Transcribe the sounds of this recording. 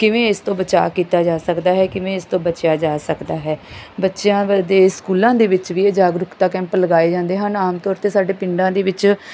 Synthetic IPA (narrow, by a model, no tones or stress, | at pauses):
kɪʋẽːɪst̪õːbət͡ʃa̰ːkiːt̪aːd͡ʒaːsəkd̪aːɦɛːkɪʋẽːɪst̪õːbət͡ʃjaːd͡ʒaːsəkd̪aːɦɛːbətːʃjãːd̪eːskuːlãːd̪eːʋɪt͡ʃʋiːeːd͡ʒaːɡɾʊkt̪aːkɛ̃ːmpələɡaːeːd͡ʒãːnd̪eːɦənaːmt̪ɔːɾt̪eːsaːɖeːpɪɳɖãːd̪eːʋɪt͡ʃ